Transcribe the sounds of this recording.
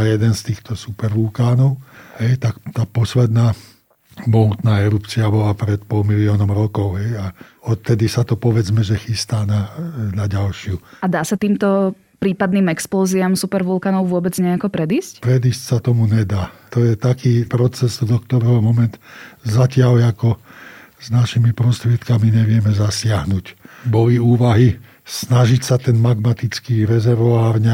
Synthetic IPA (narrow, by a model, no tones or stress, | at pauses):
ajɛd̪ɛnst̪iːxt̪ɔsupɛɾʋulkaːnɔʊɦɛjt̪akt̪aːpɔslɛd̪naː | bɔɦut̪naːɛɾupt͡siabɔlapɾɛt̪pɔlˠmiliɔːnɔmɾɔkɔʊɦɛja | ɔt̪t̪ɛd̪isat̪ɔpɔʋɛd͡zmɛʒɛxist̪aːnanaɟalʃɪuad̪aːsat̪iːmt̪ɔ | pɾiːpad̪niːmɛksplɔːziamsupɛɾʋulkaːnɔʊʋʊɔbɛd͡zɲɛakɔpɾɛd̪iːscpɾɛd̪iːscsat̪ɔmuɲɛd̪aːt̪ɔjɛt̪akiːpɾɔt͡sɛzd̪ɔkt̪ɔɾɛɦɔmɔmɛnt̪zacɪalakɔ | znaʃimipɾɔst̪ɾɪɛt̪kamiɲɛʋɪɛmɛzasɪaɦnucbɔliuːʋaɦi | snaʒicsat̪ɛnmaɡmat̪it͡skiːɾɛzɛɾʋɔaːɾɲɛ